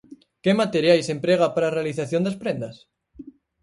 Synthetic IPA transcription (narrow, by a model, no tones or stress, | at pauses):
kemat̪eɾjajsempɾeɣapaɾarealiθaθjo̞nd̪aspɾẽnd̪as